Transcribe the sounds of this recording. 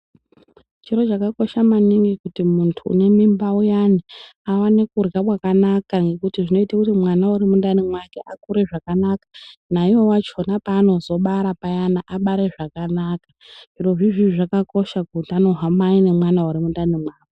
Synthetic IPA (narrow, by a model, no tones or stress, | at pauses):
t͡ʃiro̞t͡ʃakako̞ʃamaniŋɡikutimuntʰṵːne̞mimbaujaniawanekurɡakwakanakaŋɡe̞kutiʐino̞itakutimwanauɾimundanimwake̞ʔakuɾe̞ʐakanakḁnaiwo̞wat͡ʃonapaːno̞zo̞ɓaɾapajanaʔaɓaɾe̞ʐakanaka | ʐiɾoʐiʐiʐakako̞ʃakutiano̞ɦamaine̞mwanauɾimundanimwaːke